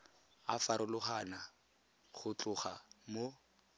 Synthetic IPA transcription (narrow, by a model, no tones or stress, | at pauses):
afaɾʊlʊχana | χʊt͡ɬʼʊχamo